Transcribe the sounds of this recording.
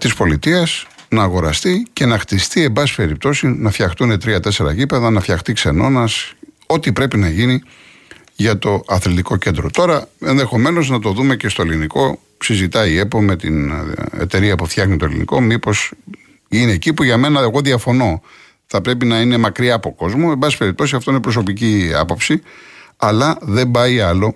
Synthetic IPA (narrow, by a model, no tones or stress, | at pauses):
t̪ispo̞lit̪iɐs | nɐːɣo̞ɾɐst̪ice̞nɐxt̪ist̪ie̞mbɐsi̥pe̞ɾip̚t̪o̞sinɐfçɐxt̪une̞t̪ɾiɐt̪e̞se̞ɾɐ̰ʝipe̞ðɐnɐfçɐxt̪ikse̞no̞nɐs | o̞t̪ipɾe̞pinɐʝini | ʝɐt̪o̞ɐθlit̪iko̞ce̞nd̪ɾo̞t̪o̞ɾɐe̞nðe̞xo̞me̞no̞znɐt̪o̞ðume̞ce̞st̪oeliniko̞ | sizit̪ɐie̞po̞me̞t̪inḛt̪e̞ɾiɐpufθçɐɣnit̪olḭnḭko̞mipo̞s | inecipuʝɐme̞nɐeɣo̞ðiɐfo̞no̞ | θɐpɾe̞pinɐine̞mɐkɾiɐːpo̞ko̞zmoembɐsi̥pe̞ɾip̚t̪o̞sisɐft̪oinepɾo̞s̬o̞piciɐ̰po̞psiɐlɐðe̞mbɐiɐlo̞